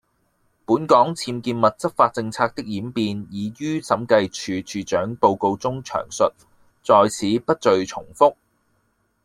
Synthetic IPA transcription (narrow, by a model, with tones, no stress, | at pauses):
puː˨˥nkɔː˨˥ŋt͡sʰiː˧mkiː˧nmɐ˨t̚t͡sɐ˥k̚faː˧t̚t͡sɪ˧ŋt͡sʰaː˧k̚t̪ɪ˥k̚jiː˨˥mpiː˧njiː˨˧jyː˥sɐ˨˥mkɐ˧jt͡ʃʰyː˨˧t͡ʃʰyː˨˧t͡ʃœː˨˥ŋpo˧wko˧wt͡sʊ˥ŋt͡ʃʰœ̰ː˨˩ŋsɵ˨t̚ | t͡sɔː˧jt͡sʰiː˨˥pɐ˥t̚t͡ʃɵ˧ɥt͡sʰʊ˨˩ŋfʊ˥k̚